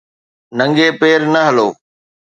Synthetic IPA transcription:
nə̃ŋɡeːpeːɾnəɦəloː

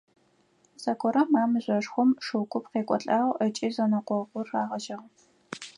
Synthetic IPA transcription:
z̥ɐkʷʰɔɾɐmaːmɨʑʷɐʂxʷɔmʂɨwkʷʼʊpqeːkʷʼɔ̰ɬʼaːʁʷʔɐt͡ʃʼiːzɐnɐqʷʼɔʁʷʊrːaːʁɐʒɐʁɐ

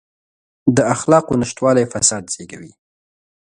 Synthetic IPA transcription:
d̪əaxlɑqonɪʃt̪wɑlajfasɑd̪z̥eɡa̰wḭ

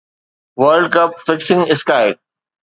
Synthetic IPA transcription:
ʋəɾɖkɐpfɪksɪ̃ŋɪskaːɪk̚

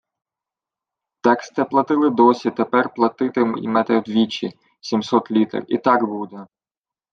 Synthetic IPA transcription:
t̪ɛkst̪ɛplˠɐt̪ɪlˠɪd̪ɔsʲit̪epɛrplˠɐt̪ɪt̪ɪmɛt̪ed̪ʋʲit͡ʃḭ | sʲimsɔt̪lʲit̪ɐ̰kḭt̪ɑkbud̪ɛ

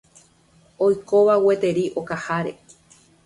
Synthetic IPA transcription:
ojkoʋawe̞t̪e̞ɾiʔokahaɾḛ

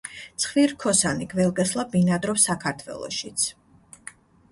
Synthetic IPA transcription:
t̪sʰχviɾkʰɔsaniɡvɛlˠɡɛslˠabinad̪ɾɔpsakʰaɾt̪ʰwɛ̰lˠɔ̰ʃit̪sʰ

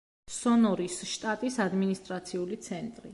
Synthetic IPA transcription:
sɔnɔɾisʃt̪ʼat̪ʼisad̪minist̪ʼɾat̪sʰiulit̪sʰɛnt̪ʼɾḭ

